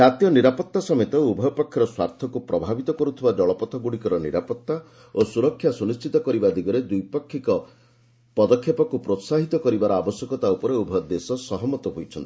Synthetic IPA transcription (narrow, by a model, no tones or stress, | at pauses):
d͡ʒat̪ijɔniɾapɔt̪ːasɔmet̪ɔubʱɔjpɔkʰːjɔɾɔswa̰ɾt̪ʰɔkupɾɔbʱabit̪ɔkɔɾut̪ʰibad͡ʒɔɭɔpɔt̪ʰɔɡuɽikɔɾɔnḭɾapɔt̪ːa | osuɾɔkʰːjasunist͡ʃit̪ɔkɔɾibad̪iɡɔɾed̪ujpɔkʰːikɔ | pɔd̪ɔkʰːjɔpɔkupɾot̪saɦit̪ɔkɔɾibaɾɔabɔsjɔkɔt̪aupɔɾeubʱɔjd̪esɔsɔɦɔmɔt̪ɔɦojt͡ʃʰɔnt̪i̥